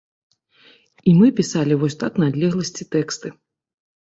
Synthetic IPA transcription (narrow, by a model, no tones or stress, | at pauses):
imɨpʲisalʲivɔsʲt̪aknad̪lʲɛɣlˠɐsʲt͡sʲit̪ɛkst̪ɨ